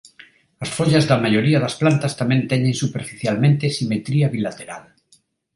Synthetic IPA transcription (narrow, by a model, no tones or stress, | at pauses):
asfoʎazðamajoɾiaðasplant̪ast̪amẽnt̪eɲẽnsupeɾfiθjalmẽnt̪esimet̪ɾiaβilat̪eɾa̰l